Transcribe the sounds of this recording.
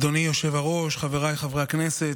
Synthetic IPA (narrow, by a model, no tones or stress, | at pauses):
d̪onijoʃe̞vaʁo̞ʃχaveʁajχavʁeakne̞se̞t